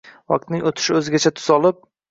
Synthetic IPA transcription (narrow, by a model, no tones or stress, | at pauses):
wɒ̰q̚t̪nɪŋot̪ʰɪ̥ʃɪɵzɪɡʲat͡ʃʰat̪ʰʊ̥z̥ɒlɪp̚